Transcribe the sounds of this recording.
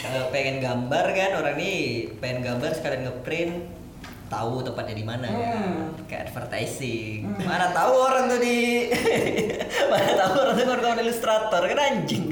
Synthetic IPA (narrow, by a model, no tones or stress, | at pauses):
alopeŋɛnɡambarkanoɾaŋnipeɛnɡambarsə̥kadanɡəpɾɪn | t̪a̰ut̪əmpat̪̚ɲadimana | ka̰ʔɛ̰dfərt̪a̰jsɪŋmanat̪auoɾaŋt̪udi | manat̪auoɾaŋt̪ukoɾaŋt̪aunilust̪ɾat̪ɔrkanaɲd͡ʒɪŋ